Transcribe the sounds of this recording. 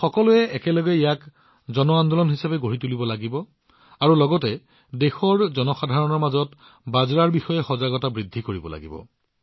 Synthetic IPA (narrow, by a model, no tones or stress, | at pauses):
xɔkɔlʊɛɛkɛlɔɡɛijak | zɔnɔand̪ɔlɔnɦisapɛɡoɹitulibɔlaɡibɔ | aɹulɔɡɔtɛ | dexɔɹzɔnɔxadʱaɹɔnɔɹmazɔt | bazɹaɹbixɔjɛxɔzaɡɔtabɹidʱːikoɹibɔ̰la̰ɡibɔ̰